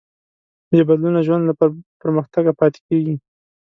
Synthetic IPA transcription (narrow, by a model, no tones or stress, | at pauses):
bebad̪lunaʒwand̪lapəɾməxt̪aɡapɑt̪e̥keɡi